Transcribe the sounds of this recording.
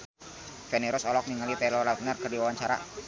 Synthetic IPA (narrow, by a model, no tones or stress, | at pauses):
fɛniɾʊsɔlɔk̚niŋalit̪ɛlɔlat̪narkərdiwawaɲt͡ʃaɾa̰